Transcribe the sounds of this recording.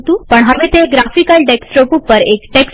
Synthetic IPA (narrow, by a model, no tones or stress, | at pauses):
t̪uːpəɳɦəʋet̪eɡɾafikəlɖeksʈɾopupːəɾekʈeks